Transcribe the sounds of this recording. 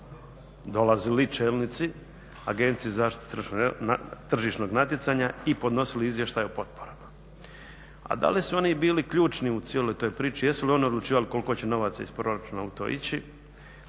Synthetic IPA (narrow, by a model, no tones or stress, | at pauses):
d̪o̞lazilit͡ʃeːlˠnit̪si | a̰ɡent̪sijizaːʃt̪it̪t̪r̩ʃnot̪r̩ʒiːʃno̞ɡnat̪jet̪saɲaipo̞d̪no̞siliizʋje̞ʃt̪ajopo̞t̪̚pʰoɾama | a̰d̪a̰lisuo̞nibiːlikʎuːt͡ʃniut̪sielo̞jt̪o̞ːjpɾiːt͡ʃijesulio̞nio̞d̪lˠut͡ʃiːʋaliko̞lˠiko̞t͡ɕe̞no̞ʋat̪saispɾo̞ɾat͡ʃunaut̪o̞̰ḭt͡ɕi